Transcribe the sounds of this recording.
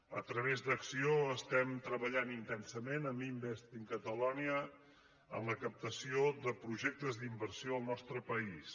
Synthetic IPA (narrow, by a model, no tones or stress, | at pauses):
ə̰t̪ɾəβ̞ezd̪əksioəst̪ɛmt̪ɾəβəʎanint̪ɛnsəmenəmimbɛst̪iŋkət̪əlɔniə | ə̰mləkəp̚t̪əsiod̪əpɾuʒɛk̚t̪əzd̪imbərsioəlˠnɔst̪ɾəpəis